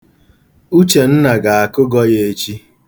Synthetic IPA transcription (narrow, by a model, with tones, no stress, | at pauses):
u˦t͡ʃe˨n̩˦na˨ɡa˨a˨kʊ˦ɡɔ˦je˦e˦t͡ʃi˦